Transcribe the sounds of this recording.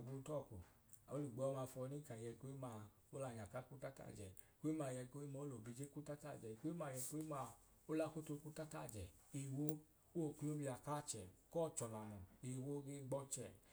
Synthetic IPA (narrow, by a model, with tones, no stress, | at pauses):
ɡ͡bu˧˦tɔ˦˨ko̰˨ | a˨o˦li˨ɡ͡bɔ˧˦ma˧fɔ˧ni˦kã˨i˨jɛ˧ko˦i˦ma˧ | o˦la˧˨ɲa˨ka˦ku˦ta˦ta̰˦˨d͡ʒɛ˨˦ku˦i˦ma˧˨jɛ˧ko˦i˦mɔ˧o˦lo˨bi˧˨d͡ʒe˦ku˦ta˦ta˦˨d͡ʒɛ˨i˨ko˦i˦ma˧˨jɛ˧ko˦i˦ma˧ | o˦la˧ko˦to˧ku˦ta˦ta˦˨d͡ʒɛ˨ | i˨wo˦ | o˦˨ku˦o˦mi˧a˨ka˦˨t͡ʃɛ˨kɔː˦˨t͡ʃɔ˨la˨nɔ˨i˨wo˦ɡe˦ɡ͡bɔ˦t͡ʃɛ˨